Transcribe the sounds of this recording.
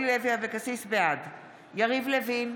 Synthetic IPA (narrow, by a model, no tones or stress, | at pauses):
lleviavekasisbead̪ | jaʁivlevin